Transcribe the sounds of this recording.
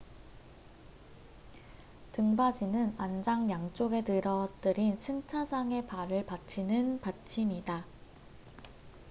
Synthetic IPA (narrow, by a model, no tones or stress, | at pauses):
tɯŋbad͡ʑinɯnand͡ʑaŋjaŋt͡ɕ͈oɡe̞tɯɾʌt͈ɯɾinsʰɯŋt͡ɕʰad͡ʑaŋe̞paɾɯɭpat͡ɕʰinɯnpat͡ɕʰimida